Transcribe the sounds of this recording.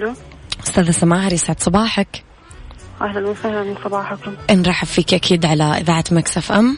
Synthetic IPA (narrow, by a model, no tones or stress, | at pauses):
luʔʊ̥st̪aːðasamaːɦɪɾˤjɪsʕɪd̪sˤɑbɑːħak | ʔahlanwʊsahlanmɪnsˤɑbɑːħakʊmʔɪnɾˤɑːħafːiːkʔakʰiːd̪ʕalaʔɪ̰ðaːʕat̪maksafʔamː